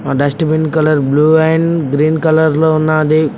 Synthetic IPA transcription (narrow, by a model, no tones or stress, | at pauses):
ãɖɐsʈbɪnkɐləɾbluːaːɦɪnɪ̆ɡɾiːnkɐləɾlʊnãːd̪e